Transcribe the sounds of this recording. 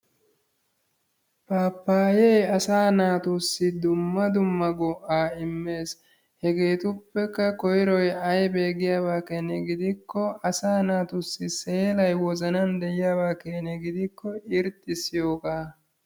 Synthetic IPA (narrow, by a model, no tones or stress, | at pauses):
paːpːaːjejɐsaːnaːt̪ʊsːɪd̪ʊmːɐd̪ʊmːɐɡɔʔaːɪmːe̞ːs | hɛɡe̞ːt̪ʊpːɛkːɐkɔjɪɾɔjɐjbe̞ːɡɪjaːbaːkenɛɡɪd̪ɪkːɔɐsaːnaːt̪ʊsːɪse̞ːlɐjwɔzɐnɐnd̪ɛjɪjaːbaːkenɛɡɪd̪ɪkːɔɪɾt̪ʼːɪsɪjo̞ːkaː